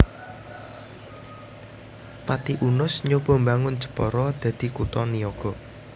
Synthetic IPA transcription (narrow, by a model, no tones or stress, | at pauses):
pat̪iʔunʊsɲob̥ɔ̤mbaŋʊn̥d͡ʒə̤̥pɔɾɔd̪̥ä̤d̪̥i̤kut̪ɔniɔɡ̥ɔ